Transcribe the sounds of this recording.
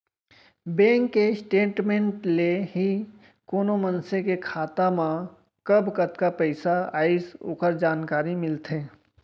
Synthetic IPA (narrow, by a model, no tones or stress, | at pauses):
bɛ̃ːŋkːesʈeːʈmẽːɳʈleɦi | koːnomənsekekʰaːt̪amã | kəbʱkət̪kapəɪsaa̰ːɪso̰ːkəɾd͡ʒaːnkaːɾimɪlt̪ʰẽː